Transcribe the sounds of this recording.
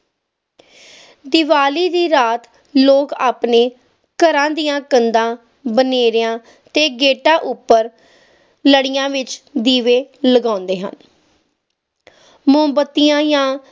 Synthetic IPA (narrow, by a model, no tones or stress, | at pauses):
d̪ɪʋaːliːd̪iːɾaːt̪ | loːkaːpneː | kəɾãːd̪ijãːkənd̪ãː | bəneːɾɪjãː | t̪eːɡeːʈãːʔʊpːəɾ | ləɽɪjãːʋɪt͡ʃd̪iːʋeːləɡãːnd̪eːɦə̰n | mʊmbət̪ːijãːjãː